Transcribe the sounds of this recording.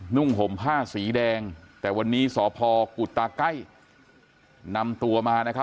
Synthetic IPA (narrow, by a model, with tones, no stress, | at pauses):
nu˥˩ŋɦo˨˩˦mpʰaː˥˩siː˩˦dɛː˧ŋt̪ɛː˨˩wa˧nːiː˦˥sɔː˩˦pʰɔː˧ku˨˩t̪ːaː˧ka˥˩j | na˧mt̪u˧ɐmaː˧na˦˥kʰa˦˥